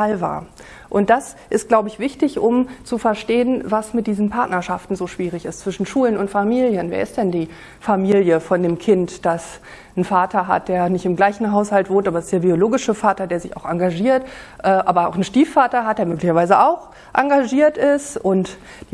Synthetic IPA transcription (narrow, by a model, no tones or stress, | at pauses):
alva̰ːɐ | ʔʊnt̚d̥asʔɪstɡ̥laʊbəɪçv̥ɪçtɪçʔʊmt͡sufɛɐʃteːənvasmɪt̚d̥iːzn̩pʰaɐtnɐʃaftn̩zoːʃv̥iːʁ̞ɪçɪstt͡sv̥ɪʃn̩ʃuːlənʊntfamiːljənvḛːɐɪst̚d̥ɛndiː | famiːljəfɔndeːmkʰɪntd̥as | n̩faːtʰɐɦa̰t̚d̥eːɐnɪçtɪmɡlaɪçn̩ɦaʊshaltv̥oːntʔaːbɐsɪstd̥eːɐbioloːɡɪʃəfaːtɐdeːɐzɪça̰ʊxaŋɡaʒiːɐtʔɛːʔaːbɐa̰ʊxn̩ʃtiːfːaːtɐɦat̚d̥eːɐmøːklɪçɐvaɪzəʔaʊx | ʔaŋɡaʒiːɐtɪstʔʊntː